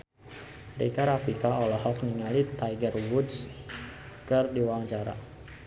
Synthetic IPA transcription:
ɾḭkaɾafikaɔlɔɦɔkniŋalit̪ajɡərwut̪s | kɨrdiwaŋt͡ʃaɾa̰

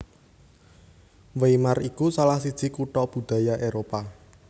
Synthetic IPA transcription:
wejmarikusalahsid̥ʒ̥i̤kuʈɔb̥ṳd̪̥ä̤jaʔeɾopa

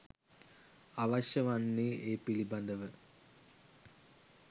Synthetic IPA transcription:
aʋɐɕjɐʋanːieːpilibɐnd̪əʋə

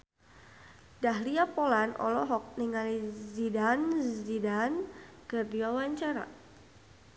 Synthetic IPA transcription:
daɦliapɔlanɔ̰lɔɦɔk̚niŋalizidanzidankɨrdiwawaɲt͡ʃaɾa̰

